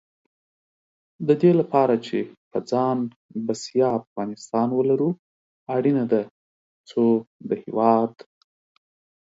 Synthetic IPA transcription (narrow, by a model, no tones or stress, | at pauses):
d̪əd̪elapɑɾat͡ʃepəd͡zɑn | basjɑafɣɑnɪst̪ɑnwəlaɾu | aɽinad̪a | t͡sod̪əhewɑd̪